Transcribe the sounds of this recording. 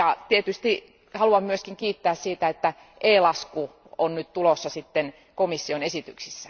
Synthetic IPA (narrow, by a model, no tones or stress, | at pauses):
ɑt̪iet̪yst̪i | hɑluɑmmyøskiŋkiːt̪ːæːssiːt̪æet̪ːæ | ʔeːlɑsku | onnyt̪t̪ulosːɑsit̪ːen | komisːionesit̪yksisːæ̥